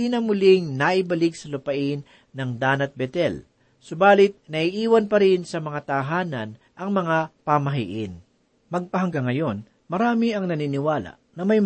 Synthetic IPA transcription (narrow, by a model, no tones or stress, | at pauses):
iːnɐmʊlɪŋnɐʔɪbɐlɪɡ̚sɐlʊpɐʔɪnː | ɐŋd̪aːnɐt̪̚bɛt̪ɛl | sʊbaːlɪt̪̚nɐʔɪʔiːwɐnpɐɾɪnsɐmɐŋat̪ɐɦaːnɐn | ʔɐŋmɐŋapɐmɐɦḭʔɪn | mɐɡ̚pɐɦɐŋɡɐŋɐjo̞n | mɐɾaːmɪɐŋnɐninɪwaːlɐ̰ | nɐmɐj